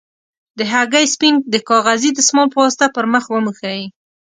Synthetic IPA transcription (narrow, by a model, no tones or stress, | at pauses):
d̪əɦaɡajspind̪əkɑɣazid̪əsmɑlpəwɑst̪apəɾməxwəməxaji